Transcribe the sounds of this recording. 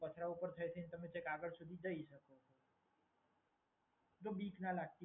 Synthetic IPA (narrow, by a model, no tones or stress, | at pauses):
pət͡ʃʰɾaupəɾt̪ʰəjt̪ʰint̪əmẽt͡ʃekaɡəɾsud̪ʱid̪əisəkoto | d͡ʒ̪obiːknalaɡ̚t̪i